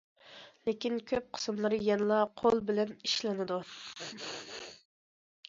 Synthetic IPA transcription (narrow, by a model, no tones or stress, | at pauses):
lekʲinkʲʰøp̚qʰə̥smlˠɨɾjɛnlˠɑqʰolˠbɪlɛniʃlɪnɪd̪u